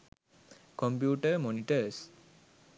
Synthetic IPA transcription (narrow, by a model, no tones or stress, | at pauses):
kompjuːʈəmoniʈəɾs